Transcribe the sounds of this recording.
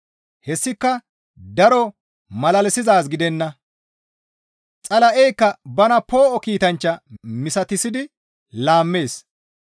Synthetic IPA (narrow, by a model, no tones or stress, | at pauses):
hɛsːɪkːɐ | d̪ɐɾɔ | mɐlɐlɛsɪzaːs̬ɡɪd̪ɛnːɐ | t͡sʼɐlɐʔɛjkːɐbɐnɐpo̞ːʔɔkiːt̪ɐnt͡ʃːɐmɪsɐt̪ɪsɪd̪ɪ | laːmːe̞ːs